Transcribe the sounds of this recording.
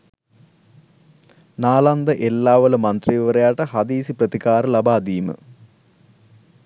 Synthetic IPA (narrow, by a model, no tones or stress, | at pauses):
naːland̪ɐʔelːaːʋɐlɐmɐnt̪riʋiʋɐɾɐjaːʈɐhɐd̪iːsiprɐt̪ikaːɾɐlɐbʱaːd̪iːmɨ̰